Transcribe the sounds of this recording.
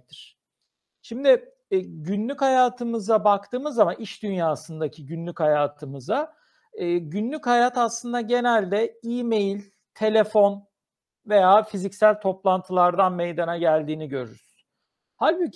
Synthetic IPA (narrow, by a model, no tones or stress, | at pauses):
t̪iɾ̥ | ʃimd̪ɪ | ɟynlʲychajaːt̪ʰɯmɯzabak̚t̪ʰɯːmɯzamaniʃd̪ynjaːsɯnd̪acʰiɟynlʲychajaːt̪ʰɯmɯza | ɯːɟynlʲychajaːt̪ʰaslˠɯnd̪aɟe̞nælʲd̪ɛiːme̞jilʲ | t̪ʰe̞lʲe̞fo̞n | ve̞jaːfizicsælʲt̪ʰo̞plˠant̪ʰɯlˠaɾd̪anme̞jd̪anaɟælʲd̪iːniɟø̞ɾy̰ɾy̥z̥ | halʲbi